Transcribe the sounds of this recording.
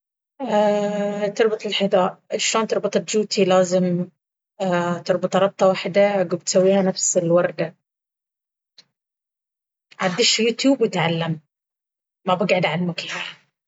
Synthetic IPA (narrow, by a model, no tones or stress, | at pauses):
at̪ɨɾˤbɑt̪ˤɪlħɪd̪aːʔʔaʃoːnt̪ɑɾˤbɑt̪ˤɪt̪d͡ʒuːt̪ʰilaːzɪm | t̪ɨɾˤbɑt̪ˤɾˤɑb̚t̪ˤɑwaħd̪aɡub̚t̪sawːiːhanafsɪlwɑɾˤd̪a | ʕad̪ːɪʃjuːt̪juːbwɪt̪ʕalːamː | abɪɡʕɪd̪ʕalalmʊka